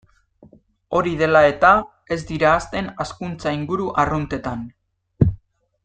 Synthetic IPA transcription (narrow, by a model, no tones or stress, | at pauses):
o̞ɾiðe̞lae̞t̪a | e̞zd̪iɾaːst̪e̞naskunt͡saiŋɡuɾuʔarunt̪e̞t̪an